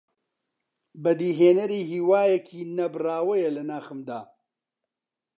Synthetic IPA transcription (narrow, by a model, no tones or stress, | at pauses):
bɐd̪iːɦeːnɐɾiːɦiːwaːjɛkʰiːnɐbɨraːwɐjɐlɐnaːxɨmd̪a̰ː